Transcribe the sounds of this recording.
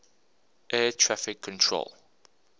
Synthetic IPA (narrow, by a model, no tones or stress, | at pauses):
ʔɛːtʰɹafɪkʰːɔ̃ntʰɹo̰lˠ